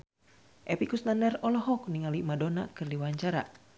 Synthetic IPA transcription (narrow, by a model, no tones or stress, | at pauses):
ʔɛpikusnanɛrɔlɔɦɔk̚niŋalimadona̰kɨrdiwaɲt͡ʃaɾa̰